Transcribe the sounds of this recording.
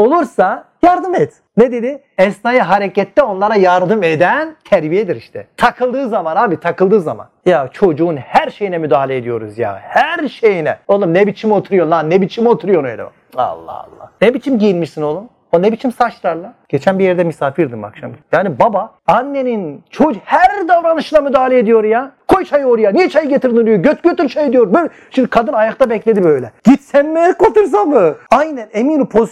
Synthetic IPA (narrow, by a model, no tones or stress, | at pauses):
o̞lˠuɾsajaɾd̪ɯmɛt̪ | ned̪ed̪i | ɛsnaːjaɦaɾecɛt̪ːɛo̞nlˠaɾajaɾd̪ɯme̞d̪ænt̪ʰæɾbijed̪iɾiʃt̪ʰɛt̪ʰakʰɯlˠd̪ɯːzamanaːbit̪ʰakɯlˠd̪ɯːzama̰njat͡ʃʰo̞d͡ʒuːnhæɾʃe̞jinɛmyd̪aːhalʲeed̪ijo̞ɾuzja̰hæɾʃejinɛolˠumnɛbit͡ʃʰimo̞t̪ʰuɾujo̞nanebit͡ʃʰimo̞t̪ʰuɾujo̞ɾnojlʲḛa̰ | a̰lˠːa̰ha̰lˠːa̰hnebit͡ʃʰimɟijilʲmiʃsino̞lˠum | onebit͡ʃʰimsat͡ʃlˠaɾlˠaɟ̥et͡ʃʰænbijɛɾd̪ɛmisaːfiɾd̪ɯma̰kʃa̰mjaːnibaba | anːe̞nint͡ʃʰohæɾd̪avɾanɯʃɯnˠamyd̪aːlʲeed̪ijo̞ɾjakʰo̞jt͡ʃʰajɯoɾjanijɛt͡ʃʰajɯɟet̪ʰiɾd̪inod̪ijoɟøt̪ɟøt̪yɾt͡ʃʰajed̪ijo̞ɾbøl | ʃimd̪ikʰad̪ɯnajakt̪ʰabɛclʲed̪ibøjlʲɛɟ̥it̪sænmekot̪uɾs̬anmɯajnænemiːnimpʰo